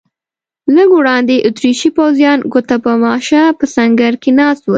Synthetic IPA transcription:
ləɡowɽɑnd̪eʔʊt̪ɾiʃipawzjɑnɡot̪apəmɑʃapəsaŋɡaɾkenɑst̪wə

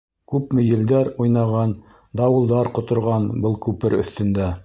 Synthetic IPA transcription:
kʉpmɘjɘ̆ld̪æɾujnɑʁɑn | d̪ɑwɤ̆lˠd̪ɑɾqŏt̪ŏɾʁɑnbɤlˠkʉpɘɾɵ̰̆θt̪ɵ̆nd̪æ

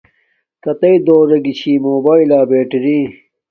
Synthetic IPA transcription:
kɐt̪ɐid̪oːɾɐɡit͡ɕʰiːmoːbaːilaːbeːʈiɾĩ

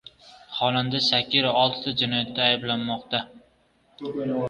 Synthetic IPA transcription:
χɒland̪asakʲːɪɾaɒlˠt̪ʰɪ̥t̪ʰad͡ʒɪnɒjat̪ʰːaːjblanmɒqt̪a

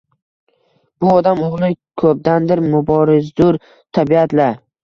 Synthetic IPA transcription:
b̥ʊɒd̪amoʁlˠɪkʰɵp̚d̪and̪ɪɾmʊbɒɾɪzd̪ʊɾ | t̪ʰabiat̪laɾ

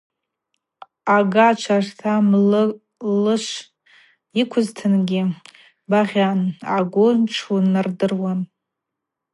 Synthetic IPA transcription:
aɡat͡ʃʷʰartʰaml | lɨʃʷ | ikʷʰʊztʰɨnɡʲɪ | baʁʲanaɡʷʊnʈ͡ʂʰunardɨrwan

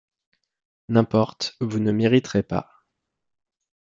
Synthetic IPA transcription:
nɛ̃pɔʁt̪vunəmeʁit̪χepa̰

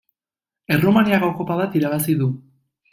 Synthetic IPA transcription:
e̞romaniaɣoko̞paβat̪iɾaβ̞asiðu

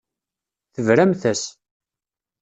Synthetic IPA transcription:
θəvɾæmθæs

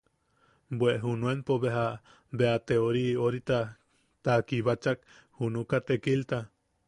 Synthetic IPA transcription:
bweʔɦunuenpoβeɦa | beat̪eoɾioɾit̪a | t̪akiβat͡ʃak̚ | hunukat̪ekilt̪a

